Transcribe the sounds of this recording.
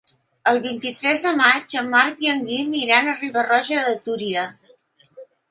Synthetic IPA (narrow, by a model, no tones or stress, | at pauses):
əlˠβint̪it̪ɾɛzðəmad͡ʒəmːaɾpjəŋɡimiɾanəriβərɔʒəðət̪uɾiə